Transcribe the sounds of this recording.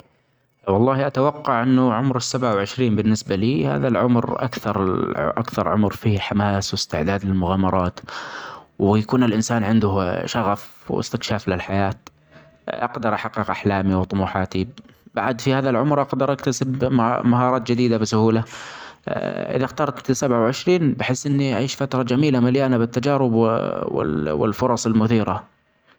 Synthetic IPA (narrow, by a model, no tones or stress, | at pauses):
wɑlˤːɑːhiʔat̪awɑqːɑʕʔɪnːʊʕʊmɾɪsːabʕawʕɪʃɾiːmbɪnːɪsbaliːha̰ːðalʕʊmɾʔa̰kθɑɾ̰ˤʔakθɑɾˤʕʊmɾfiːħamaːswɪst̪ɪʕd̪aːd̪lɪlmʊɣaːmɑɾˤɑːt̪ | wjakuːnɪlʔɪnsaːnʕɪnd̪ʊʃaɣaf | wɪ̰st̪ɪkʃaːflɪlħajaːt̪ | ʔɑ̰ɡd̪ɑɾˤʔaħaqːɪqʔaħlaːmiwt̪ˤʊmuːħɑːt̪i | b̥aʕad̪fihaːðilʕʊmɾˤʔɑqd̪ɑɾˤʔakt̪asɪbmaɦɑːɾˤɑːt̪d͡ʒɪd̪iːd̪abɪsʊhuːla | ʔɪ̰ðaxt̪ɑːɾˤt̪sabʕawʕɪʃɾiːnbɪħɪsːʔɪnːiʔaʕiːʃfat̪ɾˤɑd͡ʒamiːlamaljaːnabɪt̪ːad͡ʒaːɾɪbwɪ̰wɪ̰lfʊɾˤɑsˤɪlmʊθiːɾa